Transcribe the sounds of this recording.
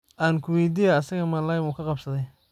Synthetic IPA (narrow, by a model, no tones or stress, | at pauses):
ʔaːŋkʰʊwijd̪ijaɐsɐɣɐmaːlaːjmuːkʰɐqɑbsɐðɛj